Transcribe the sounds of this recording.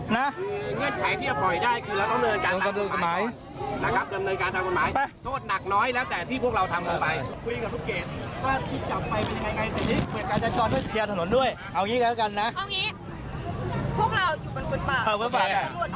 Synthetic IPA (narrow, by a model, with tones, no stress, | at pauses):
na˨˦˥ŋɨ˧˩ənkʰa˨˩˦t̪ʰi˥˩t͡ɕa˨˧˩hʰɔ˨˩jdaː˥˩jkʰɯː˧lɛː˨˦˥kɔ˧˦˥nɤː˧kaː˧˨˧ka˧t̪ːko˧˩˨maː˨˦˥j | na˨˧˩kaː˦˥˩p̚kəː˧nːɤː˧jkaː˧nt̪ʰaː˧ko˨˩nmaː˨˦jpa˧˥˩t̪ʰoː˦˥˩t̪̚na˨˩k̚nɔː˨˦˥jlɛː˦˥wt̪ɛː˨˩t̪ʰi˧˩pʰu˥˩ək̚la˧wt̪ʰa˧mkːaː˨˧jkʰu˧ka˨˩t̪ʰːkeː˨˩t̪̚waː˧˩t̪ʰi˧˩t͡ɕa˨˩p̚fa˧˩jpe˧ɲːa˧ŋa˧jŋa˧jsi˨˩niː˨˦˥i˧˩kaː˧nt͡ɕa˧˩kɔː˧˩nt̪ʰu˧˥˩kʰi˧t̪ʰa˧˩no˨˧˦nɗu˥˩əj | ʔa˧˩wŋi˨˦˥ka˧˦˩ka˧nːa˦˥˧ŋi˨˦˥ | pʰu˥˩ək̚la˧wt͡ɕu˨˩kːnku˧˩aː˧ʔəː˨˩məː˧˥˦pa˨˧˩a˧˩˧